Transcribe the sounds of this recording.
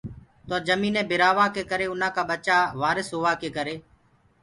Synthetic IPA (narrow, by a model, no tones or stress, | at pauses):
t̪oːd͡ʒəmĩːnẽːbʱɪɾaːʋaːkeːkəɾeːʊnãːkaːɓət͡ʃaːʋaːɾɪsɦoːaːkeːkəɾeː